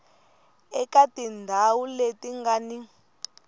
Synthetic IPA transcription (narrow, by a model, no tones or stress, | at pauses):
ɛkatindʱawuletiŋɡani